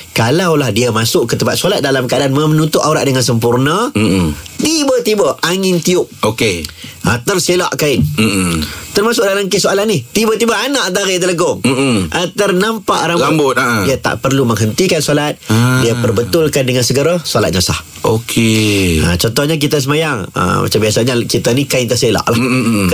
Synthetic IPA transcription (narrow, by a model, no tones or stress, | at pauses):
kalawlahdiəmasʊʔkət̪əbat̪̚salat̪̚dalamkaadanməmnut̪ʊʔauɾa̰ʔ̚dəŋansəmpurnə | t̪ibət̪ibəaŋɪnt̪iʊp̚okeat̪ərsela̰ʔkaɪn̩ | t̪ərmasʊk̚dalamkəsoalanɪht̪ibət̪ibəanaʔd̪aɾɪʔd̪ələɡɔŋ̩ʔat̪ərnampaʔɾamlbambʊt̪̚diat̪a̰ʔpərluməŋɦənt̪ikansolat̪̚diapərbət̪ʊlkandəŋansəɡəɾasalat̪̚ɲasa̰h | okʰeə̰t͡ʃɔnt̪ɔhɲak̬it̪əs̬əmajaŋə̰ma̰t͡ʃambiasaɲakit̪anikaɪnt̪əsela̰ʔlah